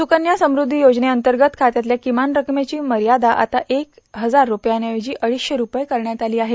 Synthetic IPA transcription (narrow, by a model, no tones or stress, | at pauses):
sukənjasəmɾud̪ʱːijod͡zneənt̪əɾɡət̪kʰat̪jat̪ljakimanɾəkmet͡ɕiːməɾjad̪aʔa̰t̪aʔek | ɦəd͡zaɾːupjanjaʋed͡ʑiːʔəɭisɕeɾupəjkəɾɳjat̪aliːaɦet̪